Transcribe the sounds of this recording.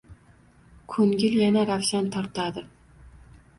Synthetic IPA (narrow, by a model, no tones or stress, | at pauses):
kʰɵŋɡʲɪljanaɾawʃant̪ʰɒɾt̪ʰad̪ɪ